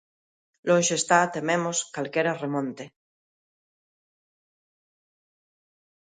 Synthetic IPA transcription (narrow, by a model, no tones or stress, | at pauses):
lõnʃest̪at̪emẽmoskalkeɾaremõnt̪e